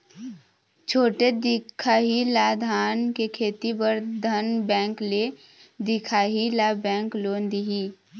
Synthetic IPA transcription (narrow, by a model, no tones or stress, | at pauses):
t͡ʃʰoːʈed̪ɪkʰaːɦilaːd̪ʱaːnkekʰeːt̪ipəɾd̪ʱənbɛ̃ːŋkle | d̪ɪkʰaːɦilaːbɛ̃ːŋkloːnd̪iɦiː